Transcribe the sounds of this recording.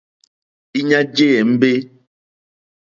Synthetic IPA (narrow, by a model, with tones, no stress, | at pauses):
i˦ɲa˦d͡ʒe˦ɛ˨m̩˦be˦